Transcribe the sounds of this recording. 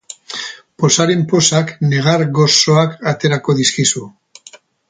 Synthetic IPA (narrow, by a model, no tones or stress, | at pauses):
po̞saɾempo̞sakne̞ɣ̞aɾɣo̞so̞akat̪e̞ɾako̞ðiskisu